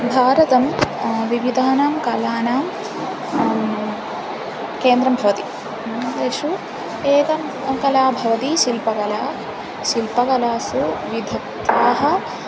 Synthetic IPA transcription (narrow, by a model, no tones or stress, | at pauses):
bʱaːɾɐt̪ɐmʋiʋid̪ʱaːnaːmkɐlaːnaːm | keːnd̪ɾɐmbʱɐʋɐt̪i̥ | d̪eːʃu | eːkɐm | kɐlaːbʱɐʋɐt̪iʃilpɐkɐlaː | ʃilpɐkɐlaːsuʋid̪ʱɐkt̪aːɦɐ̆